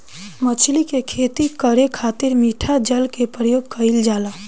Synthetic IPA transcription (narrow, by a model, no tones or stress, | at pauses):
mət͡ʃʰlikekʰeːt̪ikəɾekʰaːt̪ɪɾmiːʈʰad͡ʒəlkepɾəjoːɡ̚kʰəɪld͡ʒaːlaː